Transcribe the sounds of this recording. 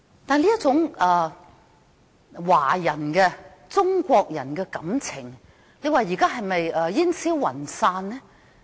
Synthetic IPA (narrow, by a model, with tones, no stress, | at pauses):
t̪aː˨nliː˥t̚t͡sʊ˨˥ŋɛ˨ | waː˨˩jɐ˨˩nkɛː˧ | t͡sʊ˥ŋkʷɔː˧k̚jɐ˨˩nkɛː˧kɐ˨˥mt͡sʰɪ˨˩ŋ | le˨˧jwaː˨˩jiː˨˩kaː˥ɦɐ˨jmɐ˨jɛː˨˧jiː˥nsiː˥wwɐ̰˨˩nsaː˧nnɛ˥